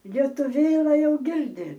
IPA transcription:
lʲiɛtʊˈʋʲeːlˠɐ ˈjɛʊ ˈɡʲɪrʲdʲɪ

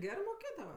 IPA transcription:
ˈɡʲæːrɜ moːˈkʲeːdɐʋɐ

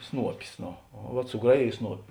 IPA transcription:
ˈsnuɔpʲɪs ˈnoː oː ʋɐt sʊˈɡrɑːˌjeːj ˈsnuɔpʲɪ

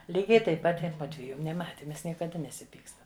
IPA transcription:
ˈlʲiːɡʲɛɪ tɐɪp ˈpɐt ɪ ˈmʊdʲʋʲiɛjʊ nʲɛˈmɑːtʲɪ ˈmʲɛs nʲiɛkɐˈdɐ nʲɛsʲɪˈpʲiːkstɐm

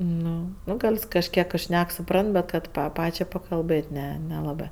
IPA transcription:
ˈnʊ ˈnʊ ˈɡɐlʲs kɐʃʲˈkʲiɛk ˈʃʲnʲɛk sʊˈprɐnt bʲɛt ˈkɐt pɐ ˈpɑːt͡ʃʲɛɪ pɐkɐlˠˈbɘtʲ ˈnʲɛ nʲɛˈlˠɑːbɜ

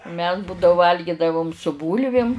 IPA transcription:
mʲɛs buːdɐʊ ˈʋɐlʲɡʲɪdɐʋʊm sʊ ˈbuːlʲʋʲɪm

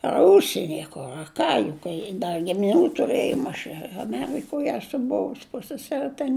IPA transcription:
ɐr ˈʊʃʲsʲiɛnʲɪ ɐ ˈkʊr ɐ ˈkɑː jʊk kɐɪ ˈdɐ ɡʲɪmʲɪˈnʲuː tʊˈrɘjoːm ɐʃ ɪ ɐˈmʲæːrʲɪkoːj ˈæːsʊ ˈbʊʋʊs ˈpʊsʲsʲɛsʲɛrʲɪ tʲɛn

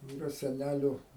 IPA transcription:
ɪˈrɐ sʲɛˈnʲælʲʊ

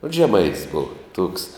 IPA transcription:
oːt ʒʲɛˈmɐɪtʲɪs ˈboːʋɐ tuɔks

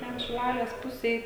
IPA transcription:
tʲɛn ʃʲɪˈlˠɑːlʲeːs ˈpʊsʲeːj

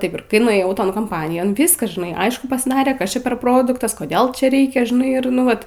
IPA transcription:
ˈtɐɪp ɪr ˈkɐɪ nʊeːˈjɛʊ ˈtoːn koːmˈpɑːnʲɪjoːn ˈʋʲɪskɐs ʒʲɪˈnɐɪ ˈɐɪʃkʊ pɐzˈdɑːrʲeː ˈkɐs ˈt͡ʃʲɛ pʲɛr ˈproːdʊktɐs koːˈdʲeːlˠ ˈt͡ʃʲɛ ˈrʲɛɪkʲɛ ʒʲɪˈnɐɪ ɪr ˈnʊ ˈʋɐt

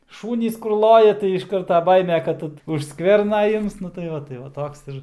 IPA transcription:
ˈʃuːnʲiːs kʊr ˈlˠoːjɛ tɐɪ ɪʃ ˈkɐrtɐ ˈbɐɪmʲɛ ˈkɐt ʊʃ ˈskʋʲɛrnɐ ˈɪms nʊ tɐɪ ˈʋɐ tɐɪ ʋɐ ˈtoːks ɪr

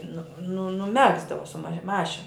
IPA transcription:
ˈnʊ nʊ nʊˈmʲæːɡzdɐʋoː sʊ mɐ ˈmɑːʃʲɪn

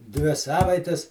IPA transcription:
ˈdʲʋʲɪ ˈsɑːʋɐɪtʲɛs

